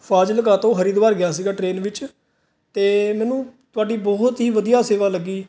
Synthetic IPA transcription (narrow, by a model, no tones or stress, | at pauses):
fʰaːd͡ʒləkaːt̪õːɦəɾiːd̪ʋaːɾɡɪjaːs̬iːɡaːʈɾeːnʋɪt͡ʃ | t̪eːmɛ̃ːnũːt̪ʊaːɖiːbɔːt̪ɦiːʋəd̪ijaːseːʋaːləɡiː